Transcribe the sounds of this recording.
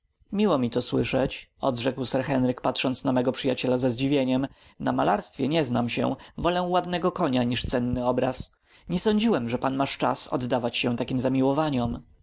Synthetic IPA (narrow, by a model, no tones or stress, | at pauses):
mʲiwɔmʲit̪ɔswɘʂɛt͡ɕɔ̰d̪ʐɛkwsɛɾxɛnɾɘkpatʂɔnsnamɛɡɔpʂɨjat͡ɕɛlazɛzd͡ʑivʲjeɲɛm | namalaɾst̪fʲjɛɲɛznamɕɛ̰̃vɔlɛ̃wad̪nɛɡɔkɔɲaɲiʂt̪sɛnːɘɔbɾas | ɲɛsɔɲd͡ʑiwɛmʐɛpanmaʂt͡ʂa̰sɔ̰d̪ːavat͡ɕɕɛ̃w̃t̪akʲimzamʲiwɔvaɲɔm